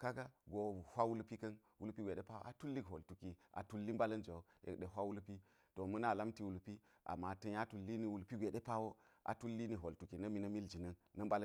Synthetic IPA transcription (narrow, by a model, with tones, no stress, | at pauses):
ka˦ɡa˦ɡo˨hʷa˦wu˦lpi˦kɐ˦nwu˦lpi˦ɡʷe˨ɗe˦pa˦wo̰˦ʔa˨tu˦lːi˦kɦo˨ltu˨ki˨a̰˨tu˦lːi˦mba˦lɐ˦nd͡ʒa˨jḛ˨kɗe˨ɦʷa˦wu˦lpi˦ | to˨mɐ˦na˦˨la˦mti˨wu˨lpi˦ | ʔa̰˨ma˨tɐ˦ja˦tu˨lːi˦ni˨wu˨lpi˦ɡʷe˨ɗe˦pa˦wo˦ʔa̰˨tu˦lːi˦ni˨ɦo˨ltu˨ki˨nɐ˦mi˨nɐ˦mi˦ld͡ʒi˨nɐ˦nɐ˦mba˦l